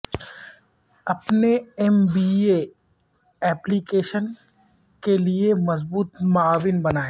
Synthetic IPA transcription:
ɐpneɛmbiːe | ɛːplikeːʃən | keliemɐzbuːt̪maːʋɪnbɐnaːeː

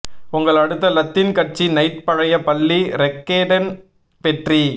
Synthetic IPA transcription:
ʊŋɡɐɭɐɽɯt̪ːɐlɐt̪ːɪnkɐʈ̚t͡ʃinɐɪʈ̪̚pɐɻɐjɐpɐlːiɾɛkːeːɖɐn | pɛʈri

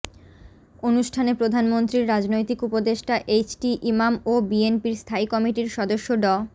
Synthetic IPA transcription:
onuʃʈʰanepɾod̪ʱanmont̪ɾiɾːad͡ʑnojt̪ikupod̪eʃʈaʔet͡ɕʈiʔimamobienpiɾst̪ʰaikɔmiʈiɾʃɔd̪oʃːoɖɔ

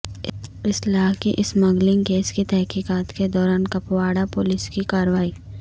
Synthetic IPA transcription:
ɪslaːɦkiʔɪsmɐɡlɪ̃ŋkeːskit̪ɛɦkiːkaːt̪ked̪ɔːɾaːnkɐpwaːɽapʊlɪskikaːɾʋaːiː

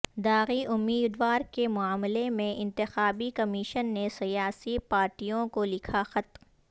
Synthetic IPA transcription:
d̪aːɣiʔʊmːiːd̪ʋaːɾkemʊaːmlemẽʔɪ̃nt̪ɪxaːbikɐmiːʃənːesijaːsipaːɾʈijõkolɪkʰaxɐt̪

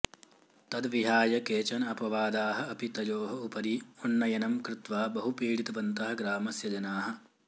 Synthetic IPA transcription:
t̪ɐd̪ʋiɦaːjɐkeːt͡ʃɐnɐɐpɐʋaːd̪aːɦɐ̆ɐpit̪ɐjoːɦɐupɐɾionːɐjɐnɐmkɾɪt̪ʋaːbɐɦupiːɽit̪ɐʋɐnt̪ɐɦɐ̆ɡɾaːmɐsjɐd͡ʒɐnaːɦɐ̆

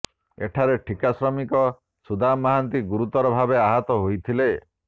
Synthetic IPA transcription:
ḛʈʰaɾeʈʰikasɾɔmikɔ | sud̪ʱamaɦant̪iɡuɾut̪ɔɾɔbʱabeaɦɔt̪ɔɦojt̪ʰile

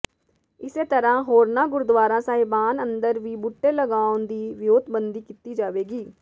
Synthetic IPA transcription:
ɪseːt̪əɾãːɦoːɾnaːɡʊɾʊd̪ʋaːɾãːsaːɦɪbaːnənd̪əɾʋiːbʊʈːeːləɡaːʊnd̪iːʋɪjoːd̪bənd̪iːkit̪iːd͡ʒaːʋeːɡiː

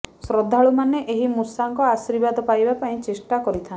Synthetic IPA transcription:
sɾɔd̪ʱaɭumaneʔeɦimusaŋkɔasiɾbad̪ɔpajbapaĩt͡ʃesʈakɔɾit̪ʰan

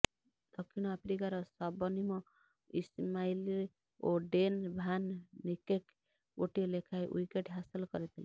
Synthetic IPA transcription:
d̪̥ʌkʰːiñapʰɾikaɾʌsʌbʌnimɔ̃ | ismaili | oɖenbʱanːikek | oʈilekʰajʔṵjkeʈɦasilkʌɾet̪ʰili

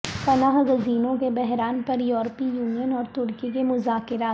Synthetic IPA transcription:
pɐnaːɦɡɐziːnõkebɛɦɾaːnpɐɾjuːɾpijuːnijənɔːɾt̪ʊɾkik̬emʊzaːkɪɾaː

